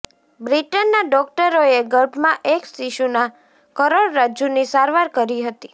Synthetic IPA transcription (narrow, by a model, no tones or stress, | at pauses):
bɾiʈənːaɖɔk̚ʈəɾoeɡəlbmãʔeksiʃuna | kəɾoɭɾad͡ʒunisaɾʋaɾkəɾiɦət̪i